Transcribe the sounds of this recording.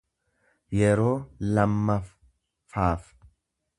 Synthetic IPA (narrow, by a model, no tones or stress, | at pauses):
jɛɾo̞ːlɐmːɐf | faːf